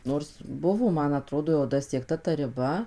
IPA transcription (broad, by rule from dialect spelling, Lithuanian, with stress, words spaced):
ˈnoːrs ˈbʊʋoː ˈmɐn ɐˈtroːdoː jɛʊ dɐsʲiɛkˈtɐ tɐ rʲɪˈbɐ